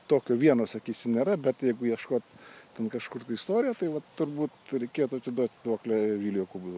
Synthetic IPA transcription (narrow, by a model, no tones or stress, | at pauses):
t̪oːkʲoːʋʲiɛnoːsɐkʲiːsʲɪmnʲeːɾɐbʲɛt̪jɛɪɡʊjiɛʃkoːt̪t̪ʲɛnkɐʃkʊrt̪ɐɪist̪oːɾʲɪjɛt̪ɐɪʋɐtːʊrbuːt̪ɾʲɛɪkʲeːjot̪ʊɐt̪sʲɪd̪uɔt̪ʲd̪oːklʲɛʋʲiːlʲjoːkub